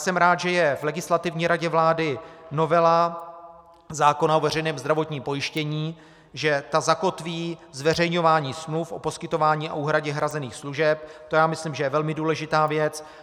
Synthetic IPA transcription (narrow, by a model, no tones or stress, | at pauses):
sɛmɾaːt̪ʒɛjɛvlɛɡɪslat̪ɪvɲiːɾaɟɛvlaːdɪnovɛla | zaːko̞naovɛr̝ɛjnɛːmzd̪ɾavo̞t̪ɲiːmpo̞jɪʃcɛɲiː | ʒɛt̪azako̞t̪viːzvɛr̝ɛjɲo̞vaːɲiːsmlufʔo̞̰po̞skɪt̪o̞vaːɲiːa̰ʔuːɦɾaɟɛɦɾazɛniːxsluʒɛp̚t̪o̞jaːmɪslimʒɛjɛvɛlmɪduːlɛʒɪt̪aːvjɛt͡s